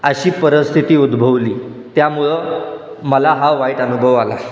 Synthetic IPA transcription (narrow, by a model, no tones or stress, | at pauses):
əɕiːpəɾəst̪ʰit̪iːud̪bʱəʋliː | t̪jamuɭə | məlaɦaʋaiʈənubʱəʋala̰